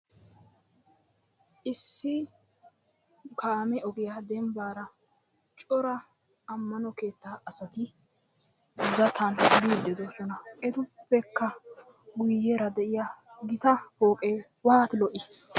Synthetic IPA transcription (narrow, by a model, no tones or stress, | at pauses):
ʔɪsːɪ | kʰaːmɛɔɡɪjad̪ɛmbaːɾɐ | t͡ʃʼɔɾɐ | ɐmːɐnɔke̞ːt̪ːaːɐsɐt̪ɪ | zɐt̪ʰɐnbiːd̪ːɛd̪osɔnɐʔɛt̪ʊpːɛkːɐ | ɡʊjːeːɾɐd̪ɛʔɪja | ɡɪt̪ɐhoːkʼeː | waːt̪lɔʔɪ